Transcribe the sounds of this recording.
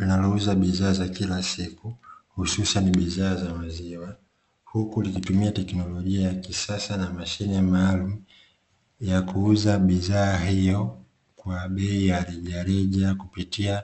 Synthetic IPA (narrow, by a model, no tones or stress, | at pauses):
linalɔuzaɓiðaːzakilasikuhususaniɓiðaːzamaziwa | hukulikitumiatɛknɔlɔʄiajakisasanamaʃinimaːlum̩u | jakuuzaɓiðaːɦijɔ | kwaɓɛijaɾɛʄaɾɛʄakupitia